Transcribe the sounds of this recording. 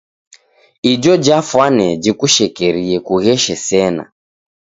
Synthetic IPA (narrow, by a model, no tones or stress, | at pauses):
id͡ʒɔd͡ʒafwanɛd͡ʒikuʃɛkɛɾiɛkuɣɛʃɛsɛna̰